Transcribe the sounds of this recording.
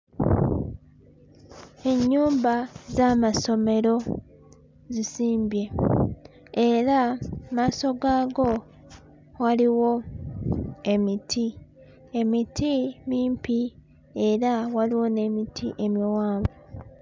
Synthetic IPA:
e̞ɲːuːmbazaːmaso̞me̞ɾo̞ | zisiːmbje̞ | e̞ɾamaːso̞ɡaːɡo̞ | waliwo̞ | e̞mitʰi | emitʰimiːmpi | e̞ɾawaliwo̞ne̞mitʰḭʔe̞miwaːɱɡo

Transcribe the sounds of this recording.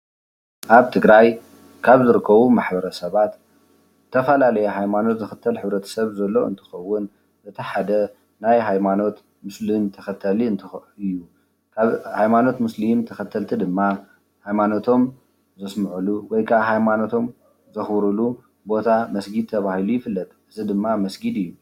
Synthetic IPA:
ʔaβt̪ʰɨɡɾaj | kʰaβzɨɾɨkʰːɐβumaħbɐɾɐsɐβat̪ | t̪ʰːɐfɐlalɐjɐɦajmano̞t̪zɨxɨt̪ʰːɐlħɨβɾɐt̪ʰɐ̥sɐβzɐlːo̞ʔɨ̰nt̪ʰɨ̥xɐwːʊn | zɐt̪ʰɐħad̪ɐ | najɦajmano̞t̪ | mɨslimt̪ʰɐxɐt̪ʰːɐliɨnt̪ʰɨɨjːu | kʰaβhajmano̞t̪mɨslimt̪ʰɐxɐt̪ʰːɐlt̪ʰid̪ɨmːa | hajmano̞t̪ʰo̞m | zɐsmɨʕuluwɔjkʰaβɦajmano̞t̪ʰo̞m | zɐxβɾulu | bo̞t̪ʰamɐsɡid̪̚t̪ʰːɐβahilujɪfɨlːɐt̪ʼʔɨzid̪ɨmːamɐsɡid̪ɨjːu

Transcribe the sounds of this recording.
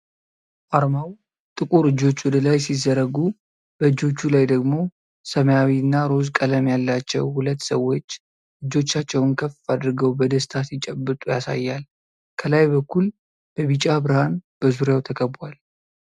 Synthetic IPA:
ʔaɾmaw | t̪ʼɨkʼuɾɨd͡ʒːo̞t͡ʃːwɔd̪əlajsizːəɾəɡu | b̥əɨd͡ʒːo̞t͡ʃːulajd̪əɡmo̞ | səməjawiɨnːaɾo̞zkʼələmjalːat͡ʃːɛ̰whulət̪ːsəwːo̞t͡ʃː | ʔɨd͡ʒːo̞t͡ʃːat͡ʃːɛwnkʰəfad̪ɾɨɡəwbəd̪əst̪ʰasit͡ʃʼɛbːɨt̪ʼujasa̰jːal | kʰəlajbəkːul | b̥əβit͡ʃʼabɾəhanb̥əzuɾjawt̪ʰəkʰəbal

